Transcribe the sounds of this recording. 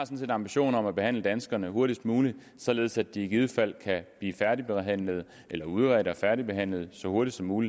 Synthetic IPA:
ɑ̈sɒ̽n̩se̝ːdɑ̈mb̥iɕo̝̰ːnɒ̽mæb̥e̝hæn̰ləd̥ænsɡ̥ɐnəho̝ɐɾ̥isd̥muːli̥ | sɒ̽le̝ːð̞ˠsæd̥̚ieɡ̥ið̞̩ˠəfæl̰kʰæb̥liːfæɐɾib̥eɦæn̰ləð̞̩ˠ | ʔelɐuðˠʁɛɾəɒfæɐɾib̥e̝ɦæn̰ləð̞̩ˠsɒ̽ho̝ɐɾ̥id̥sɒ̽mːuːli̥

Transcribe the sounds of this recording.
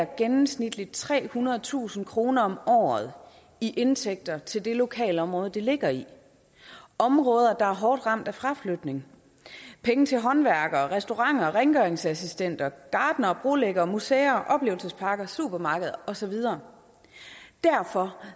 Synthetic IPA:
ɐɡ̥enm̩snid̥lid̥̚t͡sʰʁɛ̰ːhunɐð̩ˠt͡sʰṵːsn̩kʰʁo̝ːnɐɒ̽mɒ̰ːð̞̩ˠ | iʔe̝nt͡sʰeɡ̥̚d̥ɐt͡sʰe̝ld̥e̝lo̝kʰɛ̰ːləɒ̽mʁɔ̽ːð̞ˠd̥ele̝ɡ̥ɐi | ɒ̽mʁɔ̽ːð̞ˠɐd̥ɑ̈æɐɦɒːd̥ʁɑ̈m̰d̥æfʁɑ̈flød̥ne̝ŋ | pʰeŋət͡sʰe̝lɦɒ̽nʋæɐɡ̥ɐʁɛsd̥o̝ʁɑ̈ŋ̰ɐʁɛŋɡ̥œeŋsæsisd̥en̰d̥ɐɡ̥ɑ̈ːd̥nɐb̥ʁo̝leɡ̥ɐːmuseːɐʔɒ̽b̥le̝ːʊl̩səspʰɑ̈ɡ̥ɐsṵːb̥ɐmɑ̈ːɡ̥əð̞̩ˠɐɒ̽sɒ̽ʋið̞ˠɐː | d̥æɐfɒ̽

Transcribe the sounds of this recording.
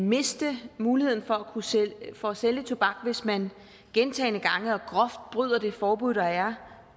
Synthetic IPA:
me̝sd̥əmuːlihe̝ð̞̰ˠn̩fɒ̽ækʰufɒ̽æselət͡sʰo̝b̥ɑ̈ɡ̥ʋe̝smæn | ɡ̥ent͡sʰɛ̰ːɪnəɡ̥ɑ̈ŋəɒ̽ɡ̥ʁɒ̽fd̥̚b̥ʁyð̞ˠɐd̥e̝fɒːb̥uð̰ˠɒæɐ

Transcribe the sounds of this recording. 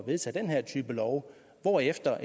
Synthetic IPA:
ʋe̝ð̞ˠt͡sʰæ̰ːd̥enɦæɐ̰t͡sʰyːb̥əlɒʊ | ʋɒːefd̥ɐʔ

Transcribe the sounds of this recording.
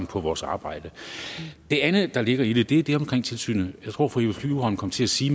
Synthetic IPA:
npʰɒ̽ʋɒːsɑ̈ːb̥ɑ̈ɪ̰d̥ə | d̥e̝ænð̩ˠd̥ɑ̈le̝ɡ̥ɐid̥ed̥e̝æd̥e̝ɒ̽mkʰʁeŋ̰t͡sʰe̝lsy̰ːnəjɑ̈ɪt͡sʰʁo̝̰fɒiefʰyuhɒn̩kʰɒ̽mət͡sʰe̝læsiː

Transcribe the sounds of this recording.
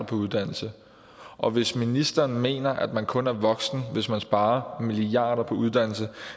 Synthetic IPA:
ɐpʰɒ̽uðˠd̥æn̰l̩sə | ʔɒ̽ʋe̝sminisd̥ɐːnme̝̰ːnɐʔæd̥mænkʰɔ̽næɐʋɒ̽ɡ̥sn̩ʋe̝smænsb̥ɑ̈ːɐmiliɑ̈ːd̥ˠɐpʰɒ̽uð̞ˠd̥æn̰l̩sə

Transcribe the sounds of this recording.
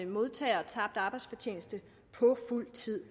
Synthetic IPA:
əmo̝ð̞ˠt͡sʰɛ̰ːɒ̽t͡sʰɑ̈b̥̚d̥ɑ̈ːb̥ɑ̈ɪdsfɒ̽t͡ɕʰe̝ːnəsd̥ə | pʰɒ̽ful̰t͡sʰið̰ˠ

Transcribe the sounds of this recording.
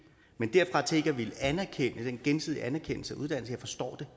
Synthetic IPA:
mend̥eɐ̰fʁɑ̈t͡sʰe̝ɡ̥ɐʋiləænæɐkʰen̰əd̥enɡ̥ensiðˠiʔænæɐkʰen̰l̩səæuð̞ˠd̥æn̰l̩səjɑ̈ɪfɒ̽sd̥ɒ̰ːd̥e̝

